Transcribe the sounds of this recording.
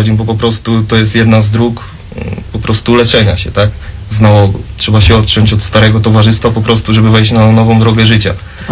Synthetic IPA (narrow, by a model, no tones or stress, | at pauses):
d͡ʑibɔp̬ɔpɾɔst̪ut̪ɔjɛst̪jɛd̪nazd̪ɾuk | pɔpɾɔst̪ulɛt͡ʂɛɲaɕɛt̪akznawɔɡɔ̰tʂɛbaɕɛɔt̪̚ːt͡ʂɔɲt͡ɕɔt̪st̪aɾɛɡɔt̪ɔvaʐɘst̪fapɔpɾɔst̪uʐɛbɘvɛjɕt͡ɕnanɔvɔ̃w̃d̪ɾɔɡɛʐɘt͡ɕa̰